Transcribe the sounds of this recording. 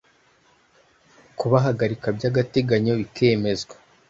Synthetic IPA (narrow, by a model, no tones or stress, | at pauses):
kuβaɦaɡaɾikabɟaːɡate̞ɡaɲo̞βike̞ːme̞zɡwḁ